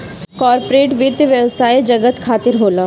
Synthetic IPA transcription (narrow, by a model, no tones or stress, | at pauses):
kɔːɾpɾeːʈʋiːɾt̪ʋjəʋsaːjd͡ʒɐɡət̪kʰaːt̪ɪɾɦoːlaː